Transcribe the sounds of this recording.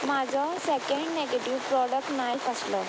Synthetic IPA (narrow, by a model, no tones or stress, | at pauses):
mad͡zʱɔsɛkeɳɖnɛɡeʈiʋpɾɔɽək̚ʈnafʰaslɔ